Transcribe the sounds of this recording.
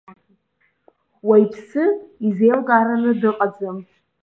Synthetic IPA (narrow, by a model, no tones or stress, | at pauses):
wajpʰsɨizejlkʼaɾanɨdɨqʼad͡zɨm